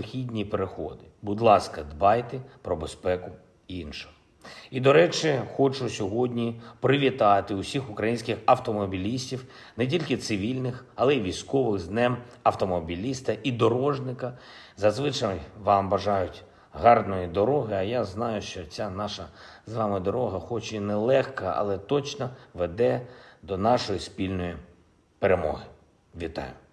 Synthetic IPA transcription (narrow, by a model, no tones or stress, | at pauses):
xʲidʲnʲipeɾexɔd̪ɪbʊd̪lˠɑskɐd̪bɑjt̪ɛpɾɔbespɛkʊ | iinʃʊ̥ | id̪ɔɾɛt͡ʃɪxɔt͡ʃʊsʲɔɦɔdʲnʲipɾɪʋʲit̪ɑt̪ɪʊsʲixʊkɾɐjinʲsʲkɪxɐwt̪ɔmɔbʲilʲisʲtʲiw | nɛt̬ʲilʲkɪt̪sɪʋʲilʲnɪxɐlˠɛiʋʲijsʲkɔʋɪɣznɛm | ɐwt̪ɔmɔbʲilʲist̪ɐʔid̪ɔɾɔʒnɪkɐ | zɐzʋɪt͡ʃɐjʋɑmbɐʒɑjʊtʲ | ɦɑrd̪nɔjid̪ɔɾɔɦɪɐjaznɑjʊʃt͡ʃɔt͡sʲanɑʃɐzʋɑmɪd̪ɔɾɔɦɐxɔt͡ʃɪnɛlˠɛxkɐɐ̰lˠɛt̪ɔt͡ʃnɔʋɛd̪ɛd̪ɔnɑʃɔjispʲilʲnɔji | peɾemɔ̰ɦɪ | ʋʲit̪ɑ̰jʊ